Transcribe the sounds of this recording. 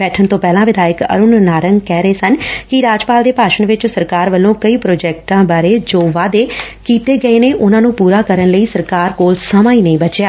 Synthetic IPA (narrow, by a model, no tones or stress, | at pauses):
bɛːʈʰənt̪õːpɛːlãːʋɪd̪aːjəkə̰ɾʊnnaːɾəŋɡkɛːɾəeːsənkɪɾaːd͡ʒpaːld̪eːpaːʃəɳʋɪt͡ʃsəɾkaːɾʋəlːõːkəiːpɾoːd͡ʒɛːk̚ʈãːbaːɾeːd͡ʒoːʋaːd̪eːkiːt̪eːɡəeːneːʔʊnãːnũːpuːɾaːkəɾənləiːsəɾkaːɾkoːlsəmãːiːnəĩːbət͡ʃjaː